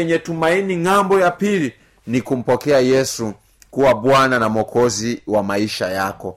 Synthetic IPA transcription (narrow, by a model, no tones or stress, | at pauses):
ɛɲɛtumainiŋambɔjapili | nikum̩pɔkɛajɛsu | kuwaɓwananamɔkɔziwamaiʃajakɔ